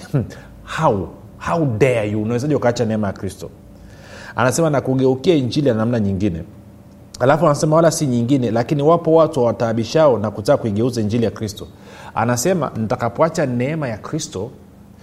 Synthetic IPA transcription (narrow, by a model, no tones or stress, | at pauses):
hau | haudɛajuunawɛzaʄiukaat͡ʃanɛɛmajakɾistɔ | a̰nasɛmanakuɠɛukiaiɲd͡ʒilijanamnaɲiŋɡinɛ̰ | halafuanasɛmawalasiɲiŋɡinɛlakiniwapɔwatuhawataːɓiʃaɔnakutaːkuiɠɛuzaiɲd͡ʒilijakɾistɔ | a̰nasɛma̰nitakapɔat͡ʃanɛɛmajakɾistɔ